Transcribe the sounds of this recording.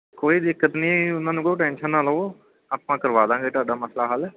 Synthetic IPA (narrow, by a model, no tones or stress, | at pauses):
koːiːd̪ɪkːət̪nĩːʊnãːnũːkoːʈɛ̃ːnʃənːaːlɦoː | aːpãːkəɾʋaːd̪ãːɡeːt̪ʊaːɖaːməslaːɦəlɛ